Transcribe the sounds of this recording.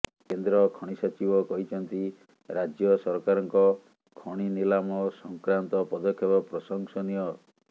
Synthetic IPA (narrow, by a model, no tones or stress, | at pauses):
kend̪ɾɔkʰɔɽ̃isɔt͡ʃibɔkɔɦit͡ʃʰɔnt̪i | ɾad͡ʒjɔsɔɾkaɾɔŋkɔ | kʰɔɽ̃inilamɔsɔŋkɾant̪ɔpɔd̪ɔkʰːjɔbɔpɾɔsɔŋsɔnijɔ